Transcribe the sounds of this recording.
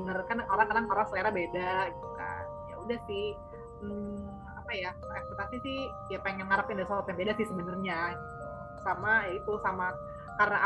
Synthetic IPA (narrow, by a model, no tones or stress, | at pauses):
ənərkanakolaŋkadaŋpaɾaŋsəleɾabedaɡit̪uka̰nja̰udahsɪh̩ | apaja | ak̚t̪it̪at̪isɪh | japeŋɛnŋaɾapɪndaisɔɔt̪jaŋbedasɪhsəbənərɲaɡi | u | samajait̪usama | kaɾənaʔ